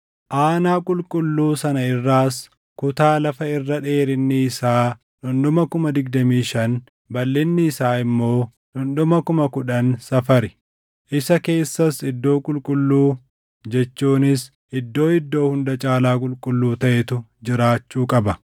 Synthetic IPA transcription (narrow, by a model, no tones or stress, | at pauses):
ʔaːnaːkʼʊlkʼʊlːuːsɐnɐɪrːaːs | kʊt̪aːlɐfɐɪrːɐᶑe̞ːɾɪnːɪːsaː | ʔʊnd̪ʊmɐkʊmɐd̪ɪɡ̚d̪ɐmiːʃɐn | bɐlːɪnːɪːsaːɪmːo̞ː | nʊnd̪ʊmɐkʊmɐkʊᶑɐnsɐfɐɾɪ | ʔɪsɐke̞ːsːɐsɪd̪ːo̞ːkʼʊlkʼʊlːuː | d͡ʒɛt͡ʃːuːnɪs | ɪd̪ːo̞ːɪd̪ːo̞ːhʊnd̪ɐt͡ʃʼaːlaːkʼʊlkʼʊlːuːt̪ɐʔɛt̪ʊd͡ʒɪɾaːt͡ʃːuːkʼɐbɐ